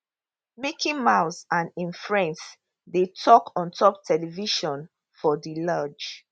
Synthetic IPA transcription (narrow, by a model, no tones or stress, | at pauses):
mekʰĩŋmaʊsãnĩnfɹɛ̃ns | detʰɔkʰɔ̃ntʰɔp̚tʰɛliviʃɔ̃n | fɔdilad͡ʒ